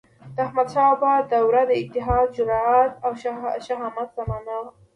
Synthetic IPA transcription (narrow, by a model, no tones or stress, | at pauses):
d̪̥əahmad̪ʃɑbad̪awɾad̪əɪt̪ːɪɦɑd̪̚d͡ʒʊɾɑat̪awʃʃaɦɑmat̪z̥amɑna